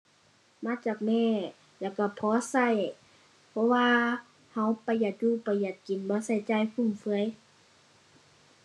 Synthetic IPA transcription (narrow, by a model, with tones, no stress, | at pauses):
maː˧˥˨t͡ɕaː˨˩k̚mɛː˧˩˨ | lɛː˧˩wka˧˩pʰɔː˧˦sa˧˩˨j | pʰɔ˧waː˧ | ha˧˨wpa˨˦ja˨˩t̪̚juː˧˥˨pa˨˩jːa˨˩t̪̚ki˨nbɔː˧˦sa˧˩jt͡ɕaː˧˩˨jkʰu˧˩˨ŋfɯ˧˦ə˨j